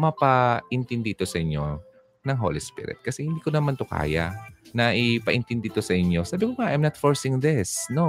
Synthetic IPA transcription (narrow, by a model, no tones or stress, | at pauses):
mɐpɐʔɪnt̪ɪnd̪it̪o̞sɐʔɪɲjo̞ | nɐŋɦo̰ːlispḭɾɪ̰t̪̚kɐsɛhɪnd̪iːkonɐmant̪ʊka̰ːja̰nɐʔɪpɐʔɪnt̪ɪnd̪it̪osɐʔɪɲo̞saːbɪkoŋaʔajmnat̪foɹsɪŋd̪ɪsno